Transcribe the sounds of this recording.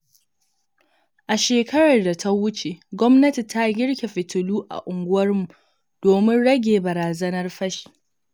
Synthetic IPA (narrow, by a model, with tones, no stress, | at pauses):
ʔa˨ʃeː˨kɐ˦ɽɐ˨rda˨tʰa˦wʊ˦t͡ʃe˨ɡʷɔ˦mnɐ˦ti˨tʰa˦ɡʲɪ˦ɽkʲe˨ɸɪ˨tʊ˨luː˦ʔa̰˨ʔʊ˨ŋɡʷʊ˦wɐ˦rmu˨ | d̥oː˨mɪ˦nɽɐ˦ɡʲeː˨bɐ˨ɾaː˨zɐ˦nɐ˦rɸɐ˦ʃi̥˨